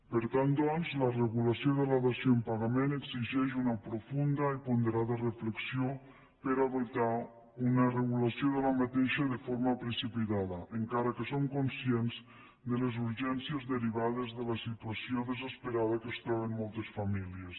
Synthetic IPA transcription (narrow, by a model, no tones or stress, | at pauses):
peɾt̪ant̪d̪anzlareɣulasjoðelaðasjoempaɣameneɡziʒɛʃunapɾofund̪aipond̪eɾaðarefleksjo | peɾaðot̪a | unareɣulasjoðelamat̪eʃaðefoɾmapɾesipit̪aðaʔeŋkaɾakesoŋkonsjenz | d̪elezuɾʒɛnsjezðeɾiβ̞aðezðelasit̪uasjoðezespeɾað̞akest̪ɾɔβ̞emmɔlˠt̪esfamilies